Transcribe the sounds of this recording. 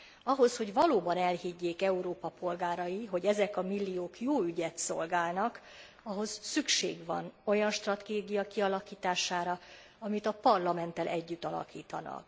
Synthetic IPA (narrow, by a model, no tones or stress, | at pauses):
ɒɦo̞sho̞ɟvɒloːbɒnɛlhiɟːeːkɛuɾoːpɒpo̞lɡaːɾɒjiɦo̞ɟɛzɛkɒmilːioːkjoːyɟɛt̪so̞̰lɡaːlnɒk | ɒɦo̞sːykʃḛːɡʋvɒ̰no̞jɒnʃt̪rɒt̪eːɡijɒkiɒlɒkiːt̪aːʃaːɾɒ | ɒmit̪ɒpɒrlɒmɛnt̪ːɛlʔɛɟːyt̪ːɒlɒ̰kiːt̪ɒ̰nɒ̰k̚